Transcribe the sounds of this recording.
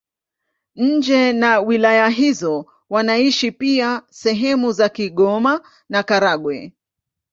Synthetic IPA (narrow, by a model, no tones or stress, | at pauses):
ɲ̩d͡ʒɛnawilajaɦizɔ | wanaiʃipiasɛɦɛmuzakiɠɔma | nakaɾaɠwɛ̰